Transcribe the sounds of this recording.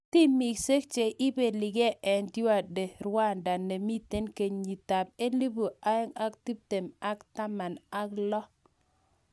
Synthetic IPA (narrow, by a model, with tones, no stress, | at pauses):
ti˦mi˨kse˦k̚t͡ʃe˨ʔɪ˦be˨lɪ˨ɡe˦ʔɛ˨ndjwa˨de˨ɾwa˦˨nda˨ne˨mi˦te˦nke˨ɲɲi˨ta˨p̚e˦li˦bu˨a˦ɛ˦ŋa˦k̚ti˦b̚te˨ma˦kta˦ma˨na˦klɔ˦